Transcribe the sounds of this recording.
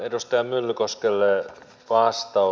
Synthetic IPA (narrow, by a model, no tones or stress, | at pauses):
edust̪ɑjɑmylːykoskelːe | ʋɑːst̪ɑ